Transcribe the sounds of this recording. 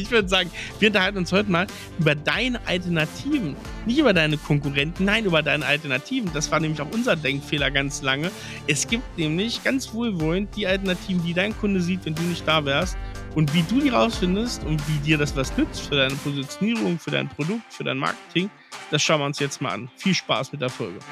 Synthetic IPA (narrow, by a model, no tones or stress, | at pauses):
ɪçv̥ʏɐdəzaːɡŋ̩viːɐʊntɐhalt̬n̩ʊnshɔʏtəmaːl | ʔyːbɐdaɪnəʔa̰ltɛɐnatʰiːvn̩ | nɪçtʔyːbɐdaɪnəkʰɔŋkuʁɛntn̩naɪnʔyːbɐdaɪnəʔa̰ltɛɐnatʰiːvn̩dasv̥aːɐnɛːmlɪçaʊxʔʊnzɐdɛŋkfeːlɐɡant͡slaŋə | ʔɛsɡ̥iːp̚tnɛːmlɪçɡ̥ant͡sv̥oːlvɔlənt̚d̥iːaltɛɐnatʰiːvn̩diːdaɪnkʰʊndəziːtvɛnduːnɪçt̚d̥aːvɛːɐst̚ʔʊntv̥iːduːdiːʁaʊsfɪndəstʊntv̥iːdiːɐɾdasvasnʏt͡stfyːɐɾaɪnəpʰozit͡sjoniːʁ̞ʊŋfyːɐɾa̰ɪnpʁ̥odʊk̚tfyːɐdaɪnma̰ɐkə̥tʰɪŋ | d̥asʃaʊnvɪʊnsjɛt͡stmaːlʔa̰nfiːlʃpa̰ːsmɪt̚d̥eːɐfɔ̰lɡə